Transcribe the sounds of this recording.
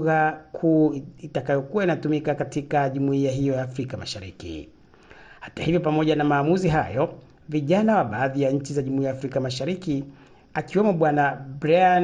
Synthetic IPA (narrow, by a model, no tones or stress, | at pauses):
ɣakʰuːitakajɔkuwainatumikakatikaʄumuiaɦijɔjaːfɾikama̰ʃaɾikḭ | hḁtahivjɔpamɔʄanamaːmuziɦajɔ | viʄanawaɓaːðijaɲ̩t͡ʃizaʄumuiajaːfɾikamaʃaɾiki | akiwɛmɔɓwanabɾaan